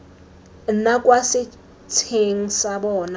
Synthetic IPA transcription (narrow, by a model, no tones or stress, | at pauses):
n̩nakʼwasɪ | t͡sʰeŋ̩sabɔːna